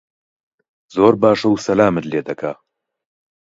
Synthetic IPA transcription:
zoːɾbaːʃɐwsɐlaːmɨt̪leːd̪ɐkʰa

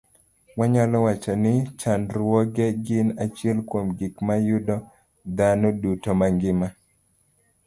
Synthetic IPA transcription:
waɲalɔwat͡ʃanɪt͡ʃanɾwɔɡɛɡɪnat͡ʃjɛlkwomɡɪkmajʊdɔ | d̪anɔdutɔmaŋɡɪma

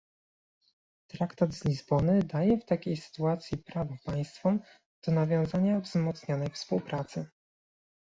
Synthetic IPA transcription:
t̪ɾakt̪ad̪zlʲizbɔnɘd̪ajɛft̪akʲejsɘ̥t̪uat̪sʲjipɾavɔpaj̃st̪fɔm | d̪̥ɔnavʲjɔ̃w̃zaɲavzmɔt̪sɲɔnɛjfspuwpɾat̪sɘ

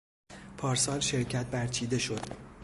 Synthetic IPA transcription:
pʰɒːɾsɒːlʃe̞ɾcʰæt̪̚bæɾt͡ʃʰiːd̪e̞ʃo̞d̪̥

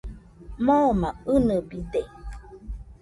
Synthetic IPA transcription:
momaɨnəbide

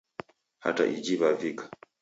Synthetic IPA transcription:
ha̰ta̰ʔid͡ʒiβavikḁ

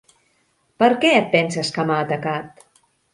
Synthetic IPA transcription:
pəɾkɛət̪̚pɛnsəskəmaːt̪əkat̪̚

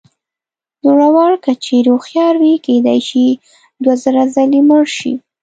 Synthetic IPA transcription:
d̪oɽawɑɽkat͡ʃeɾoxjɑɾwiked̪a̰jʃi | d̪wazəɾazaliməɽʃḭ

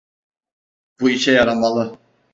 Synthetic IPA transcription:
b̥uiʃɛjaɾamalˠɯ

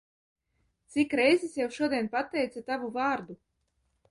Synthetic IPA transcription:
t̪sikɾɛjzisjawʃuɔd̪ʲiɛnpat̪ːɛjt̪sat̪avuvaːɾd̪u

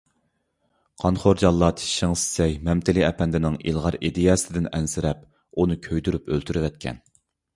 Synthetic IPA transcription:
qʰɑnχoɾd͡ʒɑlˠːɑt̪ʰi̥ʃiŋsɪ̥sɛjmɛmt̪ʰɪliɛpʰɛnd̪ɪnɪŋḭlˠʁɑɾid̪ijɑsɪd̪ɪnɛnsɪɾɛp | unɨkʲʰøjd̪yɾypølt̪ʰyɾɪvɛt̪̚kʲʰɛ̰n

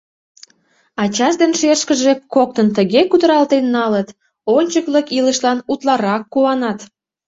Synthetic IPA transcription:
ɑt͡ɕɑʒd̪enʃeʃkəʒekok̚t̪ənt̪əɣekud̪əɾɑlt̪enːɑlət̪ | onʲt͡ɕəkləkiləʃlɑnut̪lɑɾɑkːuɑnɑt̪

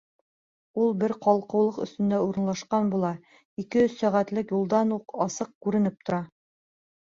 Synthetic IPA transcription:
ulˠbɘɾqɑlˠqɤ̆wlˠɤqɵ̆st̪ɵ̆nd̪æuɾɤ̆nlˠɑʃqɑnbulˠɑ | ikɘsæʁæt̪lɘkjulˠd̪ɑnuqɑsɤq̚kʉɾɘ̆nɘp̚t̪ŏɾɑ

